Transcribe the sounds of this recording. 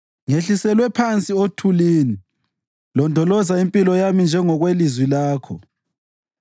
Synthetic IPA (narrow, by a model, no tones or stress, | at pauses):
ŋeɬisɛlwɛpʰant͡sʼiotʰuliːni | lɔndʱɔlɔzaimpʼilɔjamind͡ʒʱɛŋɔɣwelizwilaːkʰɔ̰